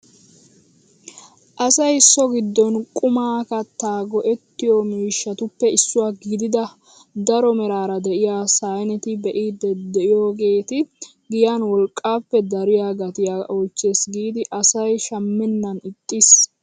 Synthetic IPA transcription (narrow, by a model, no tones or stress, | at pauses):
ʔɐsɐjsːɔɡɪd̪ːɔnkʼʊmaːkɐt̪ːaːɡɔʔɛt̪ːɪjɔmiːʃːɐt̪ʊpːɛɪsːʊwaːɡd̪ɪd̪ɐ | d̪ɐɾɔmɛɾaːɾɐd̪ɛʔɪjaːsajnɛt̪ɪbɛʔiːd̪ːɛd̪ɛʔɪjoːɡe̞ːt̪ɪ | ɡɪjanwɔlkʼːaːpːɛd̪ɐɾɪjaːɡɐt̪ɪjaːʔoːt͡ʃːeːsɡiːd̪ɪʔɐsɐjʃɐmːɛnːɐnɪt̪ʼːɪs